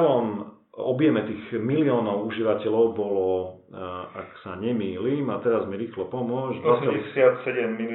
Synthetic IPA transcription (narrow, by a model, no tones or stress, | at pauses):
ʋɔm | ɔbjɛmɛt̪iːɣmiliɔːnɔʊuʒiʋacɛʎɔʊbɔlɔ | a̰ksaɲɛmiːliːmat̪ɛɾazmiɾiːxlɔpɔmʊɔɟisɔɛsɪat̪sɛɟɛmːil